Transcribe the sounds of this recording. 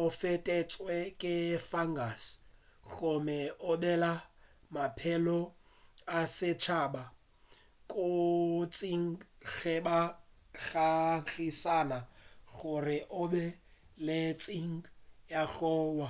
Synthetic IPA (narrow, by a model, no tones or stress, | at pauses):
ʊfɛtʼɛt͡sʼwɛkʼɪfaŋɡasɣʊmɛʊbɛla | mapʰɛlɔ | asɪt͡ʃʰaba | kʼʊt͡sʼiŋ̩ɣɛba | ɣaɣisanaɣʊrɪʔʊbɛ | let͡sʼiŋ̩jaɣɔːwa